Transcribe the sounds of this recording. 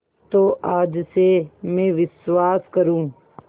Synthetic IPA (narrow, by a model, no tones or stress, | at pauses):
t̪oʔaːd͡ʒsemẽːʋɪswaːskəɾũː